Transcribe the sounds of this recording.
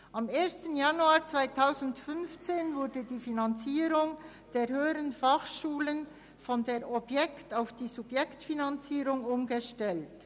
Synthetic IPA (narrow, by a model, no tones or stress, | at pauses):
ʔameːɐstənjanuaːt͡sv̥aɪtʰaʊzn̩tfʏnft͡seːnvʊɐdədiːfinant͡siːɾʊŋ | d̥eːhøːəɾənfɑχʃuːlən | fɔndeːɾʔɔbjɛktaʊfd̥iːzubjɛktfinant͡siːɾʊŋʊmɡəʃtɛlt